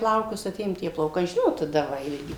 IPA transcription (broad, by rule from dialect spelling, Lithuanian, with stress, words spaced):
ˈplˠɐʊkʊs ɐˈtʲeːjoːm tʲiɛ plˠɐʊˈkɐɪ ˈʒʲɪnoːt tɐˈdɐ ˈʋɐ ɪlʲˈɡʲɪ